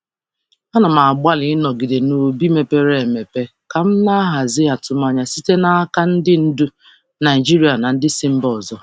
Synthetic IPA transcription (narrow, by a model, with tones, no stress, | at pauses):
a˦na˨ma˨ɡ͡ba˦lɪ˨˦nɔ˨ɡi˨de˨no˨bi˦me˨pe˦ɾe˨me˨pe˦ | ka˨m̩˦na˦ɦa˨zɪ˦a˨tʊ˦ma˦ɲa˨si˦te˦na˦a˦ka˦n̩˦dɪ˦n̩˦du˦ | na˨i˨d͡ʒi˦ɾi˦a˨na˨n̩˦dɪ˦sɪ˦m̩˦bɔ˨zɔ˦